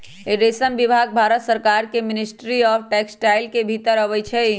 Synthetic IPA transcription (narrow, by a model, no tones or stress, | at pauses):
eɾesəmʋɪbʱaːɡ̚bʱaːɾət̪səɾkaːɾkemɪnɪsʈɾiɔːfʰʈɛːksʈaːɪlkebʱit̪əɾəʋəjt͡ʃʰɛ